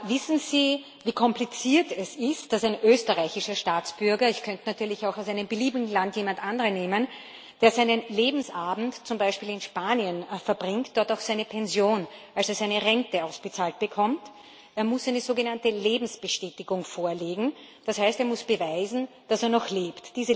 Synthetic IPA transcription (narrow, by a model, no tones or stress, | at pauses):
vɪsn̩ziː | viːkʰɔmplit͡siːɐtɛsɪst̚d̥asæɪnʔøːstəʁaɪçɪʃɐʃtaːt͡sb̥ʏɐɡɐɪçkʰœntənatʰyːɐlɪçaʊxaʊsæɪnəmbəliːbɪɡŋ̩lantjeːmantʔandəʁəneːmən | d̥eːɐzæɪnənleːbm̩sʔaːbm̩tt͡sʊmbæɪʃpiːlɪnʃpaːniənfɛɐbʁɪŋkt̚d̥ɔɐtaʊxsæɪnəpʰɛnzjoːnʔalseɐsæɪnəʁɛntəaʊsb̥ət͡saːlt̚b̥əkʰɔmt | ʔeːɐmʊsæɪnəzoːɡənantəleːbm̩sb̥əʃtɛːtɪɡʊŋfoːɐleːɡŋ̩ | d̥ashæɪsteːɐmʊsb̥əvaɪzn̩ | d̥aseːɐnɔxleːptd̥iːzə